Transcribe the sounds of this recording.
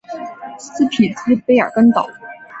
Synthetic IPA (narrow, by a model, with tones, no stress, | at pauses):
sɹ̩˥pʰi˨˩t͡s̩˥˩pe˥ɪə̰˞˨˩kə˥nt̪ɑ̰˨˩˦